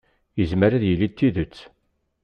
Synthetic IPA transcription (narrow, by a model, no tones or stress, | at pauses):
jəzməɾæðjəlːit̪ːiðət͡sː